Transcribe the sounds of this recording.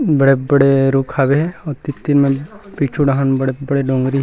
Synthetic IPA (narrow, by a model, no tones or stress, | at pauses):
bɐɽebɐɽeɾuːkʰaːbeɦɛɔːɾt̪it̪ːinmẽpiːt͡ʃʰuɖaɦənbɐɽebɐɽeɖõːŋɡɾiɦ